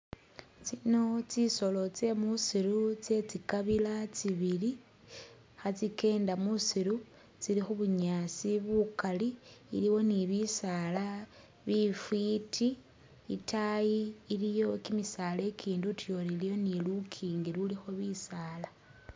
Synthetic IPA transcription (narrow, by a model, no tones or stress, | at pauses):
t͡sino̞t͡siso̞lo̞t͡se̞musiɾut͡se̞t͡sikaβilat͡siβili | xat͡sike̞ːndamusiɾu | t͡silixuβuɲasiβukaliːliwo̞niβisala | βifwitʰiː | tʰajiːlijo̞kimisale̞kʰiːndutjo̞ɾilijo̞nilukʰiːŋɡiɾulixo̞βisala